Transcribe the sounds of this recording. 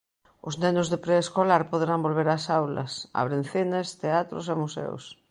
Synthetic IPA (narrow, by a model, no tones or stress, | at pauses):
ʊznɛnʊzðepɾeːskolaɾpoðeɾambolβ̞eɾasawlɐ̰sa̰βɾenθinɪst̪eat̪ɾʊ̰semusɛ̰o̰s